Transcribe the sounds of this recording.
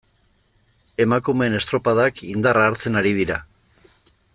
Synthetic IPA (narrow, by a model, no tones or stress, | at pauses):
e̞makume̞ːne̞st̪ɾo̞paðakind̪araːɾt͡se̞naɾið̞iɾa